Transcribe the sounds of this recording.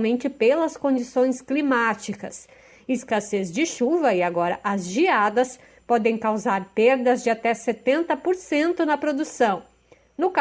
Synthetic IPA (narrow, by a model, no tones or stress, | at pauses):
mẽnt͡ʃɪpelɐskõd͡ʒisõj̃sklimat͡ʃikɐs | ɪskasezd͡ʒɪʃuvɐɪaɡɔɾɐʔɐzʒiad̪ɐs | pɔd̪ẽj̃kawzaɾpeɾd̪ɐzd͡ʒɪat̪ɛset̪ẽnt̪ɐpoɾsẽnt̪ʊnɐpɾod̪usɐ̃w̃ | nʊk